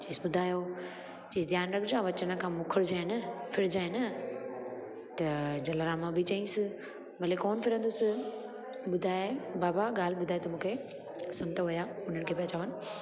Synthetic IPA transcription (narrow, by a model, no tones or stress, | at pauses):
t͡ɕiːsɓʊd̪ʱaːjo | t͡ɕiːsd̪ʱjaːnɾɐkʰd͡ʑaːʋɐt͡ɕənəkʰãːmʊkʰəɽd͡ʑaːɪnɐfɪɾɪd͡ʑaːenɐ | t̪ɐd͡ʑɐlaɾaːmãbʱɪt͡ɕɐĩsɪ | bɐlekɔːnfɪɾə̃nd̪ʊs | bʊd̪ʱaːebaːbaɡaːl̤ɓʊd̪ʱaːet̪ɐmũːkʰe | sɐ̃mt̪ʰəʋɐjaːʊn̤ənɪ̆kʰeːpɐt͡ɕʰaːʋənɪ̆